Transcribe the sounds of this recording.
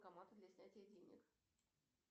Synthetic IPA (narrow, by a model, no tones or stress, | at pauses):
kɐmat̪əd̪lʲɐsʲnʲætʲɪjəɪdʲenʲɪ̰x